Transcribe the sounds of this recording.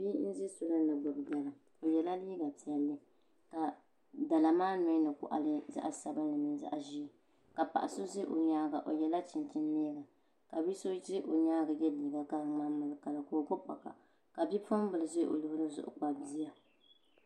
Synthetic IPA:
bi˦n̩˦zi˦sʊ˦lɨ˦nɨ˨ɡ͡bʊ˨bda˨lɨ˨ | o˨jɛ˨la˦liː˦ɡa˨pi˨ɛ˨lːɨ˦ | ka˨ | da˨la˨maː˦no˨i˦nɨ˨kʊ̰˨ʔa̰˨lɨ˦za̰˦ʔsa˦bɨ˦n˦lɨ˨mi˨n˦za̰˦ʔʒi˦˨ | ka˨pa̰˨ʔa˨so˦ze˦ʔo˨ɲaː˦ɡa˨ʔo˨jɛ˨la˦t͡ʃɪ˨ntɪ˦n˦neː˦ɡa˨ | ka˨bi˦so˦d͡ʒɪ˦ʔo˨ɲaː˦ɡa˨jɛ˦liː˨ɡa˨ka˦ŋmaː˦mɨ˨lɨ˨˦ka˨la˨koː˨ɡo˦pa̰˨ka̰˨ | ka˨bi˦po˦m˦bɨ˨lɨ˨ze˦ʔo̰˨lɨ˦bɾɨ˦zʊ̰˨ʔʊ̰˦k͡pa˨bi˦a˨

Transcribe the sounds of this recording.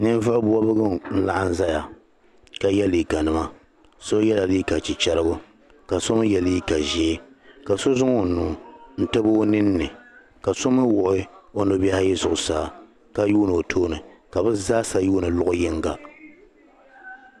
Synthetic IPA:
nɨ˦n˦vɨ˦ʔbʊ˦a˦bɨ˦ɡɨ˦mn̩˦la˦ʔa˦n̩˦za˦ja˨ | ka˨jɛ˦li˨ka˨nɨ˨ma˦ | so˦jɛ˦la˨li˦ka˨t͡ʃi˨t͡ʃɛ˦ɾɨ˦ɡʊ˦ | ka˨so˦m˦jɛ˨li˦ka˨ʒe˦ka˨so˦zʊ˦ŋo˦˨nu˨˦˨n̩˦tɨ˦bo˦nɨ˦nːɨ˨ | ka˨so˦mɨ˦wʊ˨ʔɪ˦o˦no˦bɛ˦ha˦jɪ˦zʊ˨ʔʊ˨saː˨ | ka˦juː˦nɨ˨o˨tʰoː˦nɨ˨ka˨bɨ˦zaː˦sa˦juː˦nɨ˨lʊ˦ʔʊ˦jɪ˦ŋɡa˨

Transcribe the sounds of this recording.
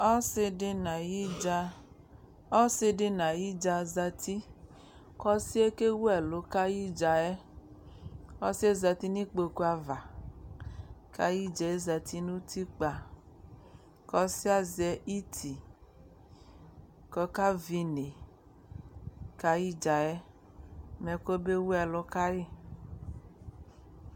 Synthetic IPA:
ɔ˦se˧de˧na˨ji˦d͡ʒa˧ | ɔ˦se˧de˧na˨ji˦d͡ʒa˧za˧ti˦ | kɔ˧si˦ɛ˦ke˦wu˦ɛ˨lo˨˦ka˦ji˦d͡ʒa˧ɛ˦ | ɔ˦si˦e˦za˧ti˦ni˦k͡po˧ko˧˦a˧va˨ | ka˦ji˦d͡ʒɛ˧e˦za˧tʰi˦nu˦tʰi˦k͡pa˧ | kɔ˦si˦a˦zɛ˨i˦tʰi˨ | kɔ˦ka˦vi˧ne˨ | ka˨ji˦d͡ʒa˨ɛ˦ | mɛ˨ko˦be˦wu˦ɛ˨lʊ˨˦ka˦ji˦

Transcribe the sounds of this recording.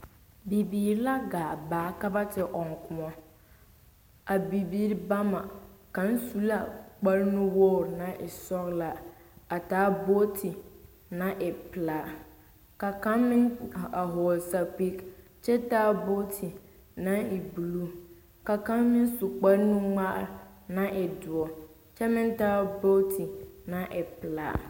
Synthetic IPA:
bi˨bi˨ɾla˦ɡaː˨baː˨˦ka˦ba˦tʰɪ˨ʔɔ̃˨ŋ˨kʰʊ˨ɔ̃˦ | a˨bi˨bi˦ɾba˦mã˨kã˨˦n˦su˦la˨k͡pa˦ɾnũ˦wo˦˨ɾnã˨ʔɪ˨sɔ˦ɣla˨a˨taː˦bo˦tʰi˨ | nã˨ʔɪ˨pɪ˨la˨ | ka˨ka˦mmɪ˦na˨ɦo˨lsa˨pi˦k | t͡ʃɛ˦taː˦bo˦tʰi˨ | na˦ɪ˨bu˨lu˦ | ka˨ka˦mmːɪ˦n˦su˨k͡pa˦ɾnu˦ŋ͡ma˦ʔnã˦ʔɪ˨dʊ˨ɔ˨ | t͡ʃɛ˦mɪ̃˦ntaː˦bo˦tʰi˨na˦ʔɛ˨pɪ˨la̰˨

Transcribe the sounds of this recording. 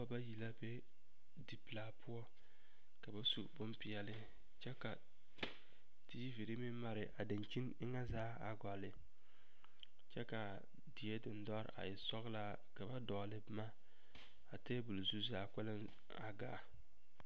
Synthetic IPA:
ɔ˦ba˦ji˨la˦be˦ | di˨pɨ˨laː˨˦pʊ˦ɔ˦ | ka˨ba˦sṵ˨bʊ˦mpi˨jɛ˨lɪ˦ | t͡ʃɛ˦ka˨ | ti˦ji˦vi˨ɾɨ˦mi˦ma˨ɾɪ˨ʔa˨dɪ˨n˨t͡ʃi˦nɪ˦ŋa˦zaː˦a˨ɡa˨lɪ˨ | t͡ʃɛ˦ka˨ | di˨jɛ˦dɨ˨n˦dɔ˦ɾ̰ʔa̰˨jɪ˨sɔ˦ɣla˦ | ka˨ba˦dɔ˨lɨ˦bma˦ | a˨te˦bu˨lzu˦zaː˨˦kɛ˦lɪ˦n | a˨ɡaː˨

